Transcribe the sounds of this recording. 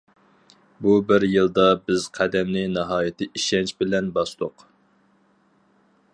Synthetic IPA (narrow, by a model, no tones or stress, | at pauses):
bubɪɾjɨlˠd̪ɑbɪz̥qʰæd̪ɛmnɪnɑɦɑːjɪt̪ʰɪʔiʃɛnt͡ʃbɪlɛnbɑst̪ˠoq